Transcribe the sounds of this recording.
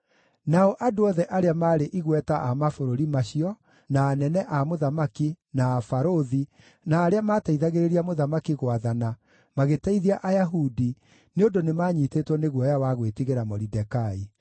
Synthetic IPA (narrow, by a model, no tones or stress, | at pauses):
naɔʔadoɔðɛʔaɾeamaːɾeʔiɣwɛtaʔamafoɾoɾimaɕiɔ | naːnɛnɛʔamoðamaki | naːfaɾoði | naːɾeamaːtaiðaɣeɾeɾiamoðamakiɣwaðana | maɣetaiðiaʔajaɦudi | neondonemaːɲitetwɔneɣwɔjawaɣwetiɣeɾamɔɾidɛkai